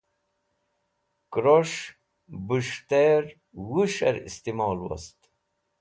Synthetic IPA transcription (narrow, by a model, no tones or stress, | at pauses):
kɾoʃ | buʃt̪eɾ | wuʃɛ̰ɾḭst̪imɑːlwɐ̰st̪